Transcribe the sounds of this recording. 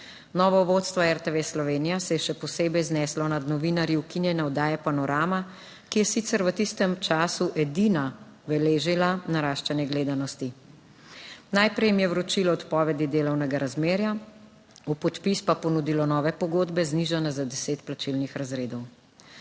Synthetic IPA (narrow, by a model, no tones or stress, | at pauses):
nɔːʋɔʋoːt̪st̪ʋɔɛɾt̪eʋeːslɔʋeːnijasɛjɛʃɛpɔseːbɛjznɛslɔnad̪nɔʋinaɾjiwkinjɛnaɔd̪aːjɛpanɔɾaːma | kijɛsit̪sɛɾʋət̪ist̪ɛmt͡ʃaːsuʔɛd̪ina | ʋɛleːʒilanaɾaːʃt͡ʃɛnjɛɡleːd̪anɔst̪i | najpɾɛjmijɛwɾɔt͡ʃilɔɔt̪pɔːʋɛd̪id̪eːlɔwnɛɡaɾazmeːɾja | upɔt̪pispapɔnud̪ilɔnɔːʋɛpɔɡoːd̪bɛzniʒanazad̪ɛseːt̪plat͡ʃilnixɾazɾeːd̪ɔw